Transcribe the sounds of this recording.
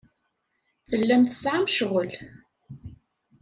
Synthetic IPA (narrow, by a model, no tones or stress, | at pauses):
θəlːæmθə̥sʕamʃʁəl